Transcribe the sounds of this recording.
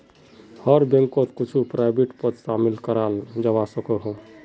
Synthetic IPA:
hɔɾbẽŋkot̪kʊt͡ʃʰupɾaːɪbeʈpət̪ʃaːmɪlkəɾaːld͡ʒəʋasəkoɦõ

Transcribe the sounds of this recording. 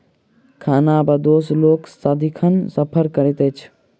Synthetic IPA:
kʰaːnaːbɐd̪oːsloːksad̪ikʰɐnsɐpʰəɾkɐɾit̪eːt͡ʃʰ

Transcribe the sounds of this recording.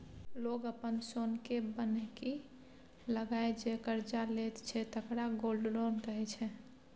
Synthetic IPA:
loɡəpənsonkebənɛki | ləɡaed͡ʒekəɾd͡ʒalet̪t͡ʃʰɛt̪əkɾaɡolɖɾonkəɦɛt͡ʃʰɛ

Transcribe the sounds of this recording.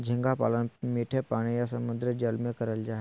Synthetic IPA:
d͡ʒʱĩŋɡapa̰ːlənmeːʈʰepaːɽ̃ijasəmʊnd̪ɾəd͡ʒəlmẽkəɾəld͡ʒaːɦe

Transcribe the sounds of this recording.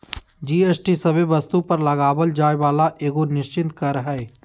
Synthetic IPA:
d͡ʒiːeːsʈisɐbebəst̪upəɾlɐɡaːʋəld͡ʒaːeʋaːlaʔeːɡonɪʃt͡ʃɪnt̪kəɾɦɛː

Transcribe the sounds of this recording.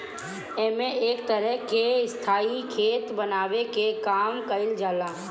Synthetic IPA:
eːmẽʔeːkt̪əɾɛɦkeɪst̪ʰaːikʰeːt̪bənaːwekekaːmkəɪld͡ʒaːlaː

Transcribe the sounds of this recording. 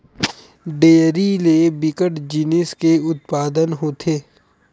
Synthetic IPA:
ɖeːɾilebɪkəʈd͡ʒinɪskeʊt̪̚paːd̪ənɦoːt̪ʰeː

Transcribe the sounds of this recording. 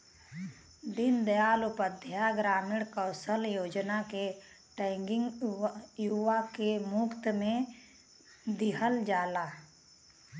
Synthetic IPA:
d̪ɪnd̪əjaːlʊpəd̪ʱjaɡɾaːmɪɽkəːsəljoːd͡ʒnake | ʈɛ̃ːŋɡɪŋɡjuʋakemʊkt̪mẽ | d̪ɪɦəld͡ʒaːlaː

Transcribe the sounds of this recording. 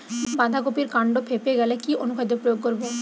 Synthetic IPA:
bãd̪ʱakopiɾkaɳɖopʰepeɡɛlekiʔonukʰajd̪epɾojoɡ̚koɾbo

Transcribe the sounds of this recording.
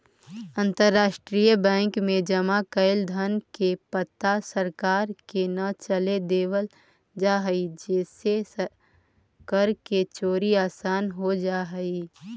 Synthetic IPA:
ə̃nt̪əɾːaːʃʈɾijəbɛ̃ːŋkmẽd͡ʒəmakəɪld̪ʱənkepət̪ːasəɾkaːɾkenət͡ʃəled̪eːwəl | d͡ʒaːɦəid͡ʒeːse | kəɾket͡ʃoːɾiaːsaːnɦod͡ʒaːɦəi

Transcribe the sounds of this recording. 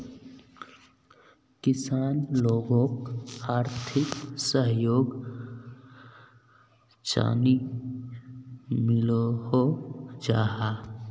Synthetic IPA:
kɪsaːnloːɡõkaːɾt̪ʰɪksəɦjoːɡ | t͡ʃa̰ːni | mɪlohod͡ʒaːɦa

